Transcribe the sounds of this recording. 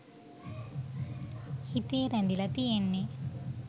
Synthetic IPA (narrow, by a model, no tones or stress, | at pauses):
hit̪eːɾend̪ilɐt̪ijenːi